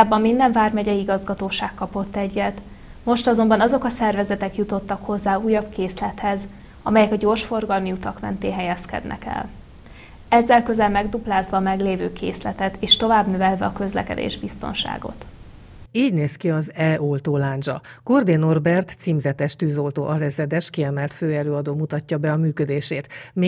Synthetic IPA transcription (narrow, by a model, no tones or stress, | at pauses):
bːɒmːind̪ɛɱvaːrmɛɟɛiɡɒzɡɒt̪oːʃaːkːɒpo̞t̪ːɛɟːɛt̪ | mo̞ʃt̪ɒzo̞mbɒnɒzo̞kɒsɛrvɛzɛt̪ɛkjut̪o̞t̪ːɒkho̞zːaːuːjɒbkeːslɛt̪hɛz | ɒmɛjɛkɒɟoːrʃfo̞rɡɒlmiut̪ɒkmɛ̰nt̪eːɦɛjɛskɛ̰d̪nʔɛ̰kɛ̰l | ɛzːɛlkø̞zɛlmɛɡd̪uplaːzvʋɒːmɛɡleːvøːkʰḛːslɛt̪ɛt̪eːʃt̪o̞vaːbnøvɛlvɛɒkø̞zlɛ̰kɛ̰d̪ḛːʒbist̪o̞̰nʃa̰ːɡo̞̰t̪ | iːɟneːskiɒzɛʔolt̪oːlaːnd͡ʒɒ̰ | kord̪eːno̞rbɛrt̪siːmzɛt̪ɛʃt̪yːzo̞lt̪o̰ːʔɒlɛzɛd̪ɛʃkiɛmɛlt̪føːɛløːɒd̪oːmut̪ɒcːɒbɛɒmyːkød̪eːʃeːt̪meː